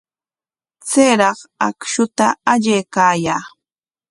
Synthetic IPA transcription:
t͡seːɾɑχakʃʊt̪aaʎeːkaːjaː

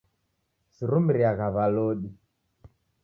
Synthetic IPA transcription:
siɾumiɾiaɣaβaloɗi

